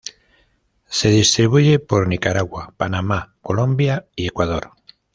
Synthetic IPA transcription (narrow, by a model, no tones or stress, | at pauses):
seð̞ist̪ɾiβ̞uʎepoɾnikaɾaɣwapanamakolõmbjaiekwað̞oɾ